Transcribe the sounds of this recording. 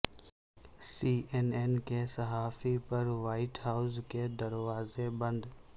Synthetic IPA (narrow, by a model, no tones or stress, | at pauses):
siːʔeneːnkesɐɦaːfipɐɾʋaːɪʈɦaːʊzked̪ɐɾʋaːzebə̃nd̪